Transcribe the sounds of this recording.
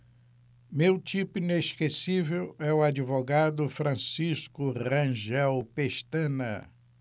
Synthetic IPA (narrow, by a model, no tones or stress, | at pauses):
mewt͡ʃ̪ipʊineʃkesivewɛʊad͡ʒivoɡad̪ʊfɾɐ̃siskʊʁɐ̃ʒɛwpeʃt̪ɐ̃nɐ̰